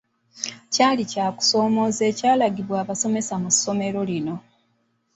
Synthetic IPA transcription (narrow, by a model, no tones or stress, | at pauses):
caːlicaːku̥so̞ːmo̞zeːcaːlaɡiβwaːβaso̞me̞samusːo̞me̞ɾo̞lino̞